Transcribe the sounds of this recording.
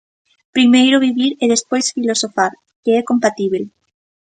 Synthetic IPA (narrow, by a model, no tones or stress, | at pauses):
pɾimejɾʊβiβiɾeðespojsfilosofaɾ | keɛkompat̪iβel